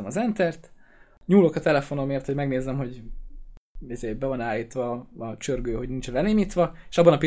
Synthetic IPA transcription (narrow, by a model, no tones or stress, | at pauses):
ɛmɒzɛnt̪ɛrt̪ | ɲuːlokɒt̪ɛlɛfo̞no̞meːrt̪hoɟmɛɡneːzɛmɦo̞ɟ | izeːbɛvɒnaːjiːt̪ʋɒːt͡ʃørɡøːɦo̞ɟnint͡ʃɛnɛleːmiːt̪ʋɒe̥ʃɒbːɒnɒpi